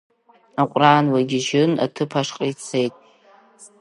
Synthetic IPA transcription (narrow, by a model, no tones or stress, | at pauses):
aqʷʼraːnwaɡʲiʒɪna̰tʰɨpʰaʂqʼijt͡sʰe̞jtʼ